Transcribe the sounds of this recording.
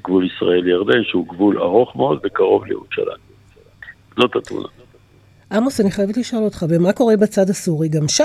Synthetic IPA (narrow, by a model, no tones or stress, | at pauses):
ɡvulisʁa̰e̞ljaʁd̪e̞nʃeuɡvula̰ʁo̞χmeod̪vekaʁo̞vlejḛʁuʃa̰la̰mj | zo̞t̪at̪mṵna̰ | ʔamosaniχajavetliʃoolot̪χavemako̞ʁe̞bat͡sad̪hasuʁiɡamʃa